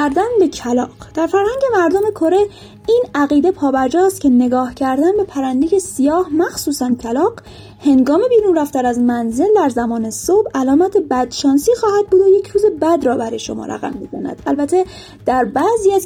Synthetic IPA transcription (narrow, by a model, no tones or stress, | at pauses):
æɾd̪ænbe̞cʰælɒːqd̪̥æɾfæɾhæŋɟe̞mæɾd̪ome̞kʰo̞ɾe̞ | iːnæɣiːd̪e̞pʰɒːbæɾd͡ʒɒːst̪cʰʲe̞ne̞ɡɒːhcʰæɾd̪ænbe̞pʰæɾænd̪eje̞sijɒːhmæxsuːsæncʰælɒːɢ̥ | he̞ŋɡɒːme̞biːɾunræft̪æɾæzmænze̞ld̪æɾzæmɒːne̞sobælɒːmæt̪ʰebæd̪̥ʃɒːnsiːxɒːhæd̪̚buːd̪oje̞cʰɾuːze̞bæd̪rɒːbæɾɒːjeʃo̞̰mɒ̰ːɾæ̰ɣæ̰mːiko̰næ̰d̪̥ælbæt̪ʰe̞ | d̪̥æɾbæziːæz